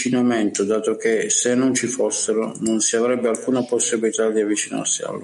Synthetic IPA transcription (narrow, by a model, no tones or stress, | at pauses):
t͡ʃinamɛnt̪ʊd̪aːt̪ok̟esenːʊnt͡ʃifosːeɾʊnʊnsiavɾɛbːɪalkuːnaposːibilit̪ad̪iavːit͡ʃina̰rsia̰lː